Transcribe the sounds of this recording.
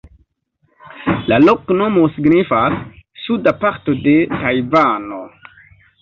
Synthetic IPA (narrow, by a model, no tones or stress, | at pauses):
lalo̞kno̞mo̞siɡnifasːudapaɾto̞de̞tajvano̞